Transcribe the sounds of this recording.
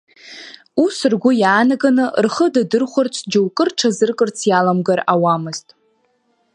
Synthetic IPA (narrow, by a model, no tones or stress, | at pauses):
usɨrɡʷʊjaːnaɡanɨrχədadɨrχʷʊrt͡sʷʰd͡ʒowkʼɨrʈ͡ʂʰazɨrkʼɨrt͡sʰjalamɡarawamɨztʼ